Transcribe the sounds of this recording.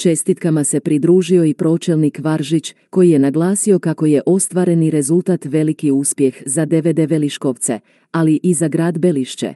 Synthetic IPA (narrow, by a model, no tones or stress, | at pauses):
t͡ʃe̞st̪it̪kamase̞pɾid̪ɾuːʒio̞ipɾo̞ːt͡ʃe̞lnikʋaɾʒit͡ɕ | ko̞jije̞naɡlaːsio̞kako̞je̞ʔo̞st̪ʋaːɾe̞niɾe̞zulˠt̪aːt̪ʋe̞likiuspje̞xzad̪e̞ʋe̞d̪eʋe̞liʃko̞ʋt̪se̞̰ | aliʔizaɡɾaːd̪beliʃt͡ɕḛ